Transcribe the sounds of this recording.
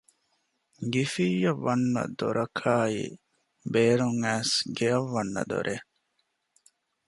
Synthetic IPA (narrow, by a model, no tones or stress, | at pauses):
ɡifiːjɐʋːɐnːɐ̰d̪oɾɐkʰaːḭ | beːɾuŋæːsɡeɐʋːɐnːɐ̰d̪o̰ɾʔe